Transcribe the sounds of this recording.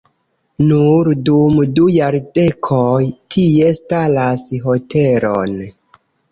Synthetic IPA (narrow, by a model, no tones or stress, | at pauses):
nuɾdumdujaɾde̞kʰojtʰie̞stalasɦo̞te̞ɾo̰n